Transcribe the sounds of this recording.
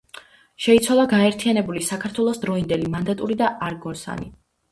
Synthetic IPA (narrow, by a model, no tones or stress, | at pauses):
ʃɛit̪sʰwalˠaɡaɛɾt̪ʰianɛbulisakʰaɾt̪ʰwɛlˠɔsd̪ɾɔind̪ɛlimand̪at̪ʼuɾid̪aʔaɾɡɔɾsa̰nḭ